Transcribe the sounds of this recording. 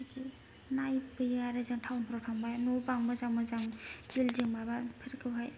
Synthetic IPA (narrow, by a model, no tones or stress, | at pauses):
iti | najbɯjaɾɯzɯŋtʰawnpʰɾɔtʰaŋbajnɔpaŋmɯzaŋmɯzaŋbilzɯŋbabapʰɯɾkʰɯwɦaj